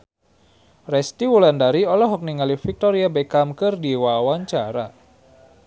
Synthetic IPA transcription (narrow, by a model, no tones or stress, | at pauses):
rɛst̪iwulandaɾiɔlɔɦɔk̚niŋalifik̚t̪ɔɾiabekamkɨrdiwawaɲt͡ʃaɾa